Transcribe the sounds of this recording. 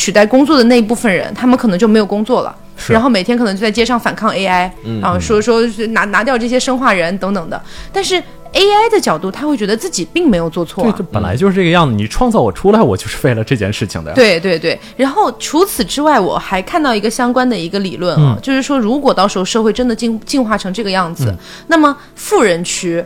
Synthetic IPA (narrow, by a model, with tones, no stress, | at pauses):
t͡ɕʰy˨˩t̪a˥˩ɪkʊ˥ŋt͡swɔ˥˩d̪ə˩na˥˩˧i˥˩pu˥˩fə˨˩nɻə̰˧˥nt̪ʰa˥mə˨kʰnɤ˧˥t͡ɕo˥˩ʊm˧˥ɪjo˨˩ʊkʊ˥ŋt͡swɔ˥˩lə̰˩˥ | a˧˥nxo˥˩me˨˩ɪt̪ʰjɛ˥kʰɤ˨˩nɤ˧˥t͡ɕo˥˧˥t͡sa˥ɪt͡ɕjɛ˥ʂɑ˥˩ŋfa̰˨˩nkʰɑ˥˧ŋe˥ɪa˥ɪa˧˥o˥˩ʂwɔ˥ʂwɔ˥˩na˧˥na˧˥jɑ˥˧ʊʈ͡ʂɤ˥˩ɕ̬jɛ˥ʂə˥ŋxwa˥˩ɻə˧˥nt̪ɤ˧˥ŋt̪ɤ˨˩ŋd̪ə̰˦t̪a˥˧nʂɻ̩˥˩ | e˥ɪa˥ɪd̪ə˨t͡ɕjɑ˨˩ʊt̪u˥˩t̪ʰa˥xwe˥˩t͡ɕɥɛ˧˥d̪ə˧t͡sɹ̩˥˩t͡ɕi˨˩pi˥˩ŋme˧˥ɪjo˨˩ʊt͡swɔ˥˧t͡sʰwɔ˥˩˥ʈ͡ʂɤ˥˩pə˨˩nla̰˧˥ɪt͡ɕjo˥˧ʊʂɻ̩˥˩ʈ͡ʂɤ˥˩ɡə˧jɑ˥˩ŋd͡z̩˩ni˨˩ʈ͡ʂʰwɑ˥˧ŋt͡sɑ˥˩ʊwɔ̰˨˩ʈ͡ʂʰu˥la˧˥ɪwɔ˨˩t͡ɕjo˥˧ʂɻ̩˥˧fe˥˩ɪlə˩ʈ͡ʂɤ˥˧t͡ɕjɛ˥˧nʂɻ̩˥˩t͡ɕʰḭ˨˩ŋd̪ə̰˦t̪we˥˩ɪt̪we˥˧ɪt̪we˥˩ɪɻa˧˥nxo˥˩ʊʈ͡ʂʰu˧˥t͡sʰɹ̩˨˩ʈ͡ʂɻ̩˥wa˥˩ɪwɔ̰˨˩xa˧˥ɪkʰa˥˧nt̪ɑ˥˩ʊi˧˥ɡə˧ɕjɑ˥ŋkwa˥nd̪ə˨i˧˥ɡə˧lḭ˨˩lwə˥˩nɐ̰˧˩t͡ɕjo˥˧ʊʂɻ̩˥˩ʂwɔ˥ɻu˧˥kwɔ˨˩t̪ɑ˥˩ʂɻxʊʂɤ˥˧xwe˥˩ɪʈ͡ʂə˥nd̪ə˨t͡ɕi˥˧t͡ɕi˥˧nxwa˥˩ʈ͡ʂʰɤ˧˥ŋʈ͡ʂɤ˥˩ɡə˩jɑ˥˩ŋd͡zɹ̩˩ | na˥˩mə˩ | fu˥˩ɻə˧˥nt͡ɕʰy˥˩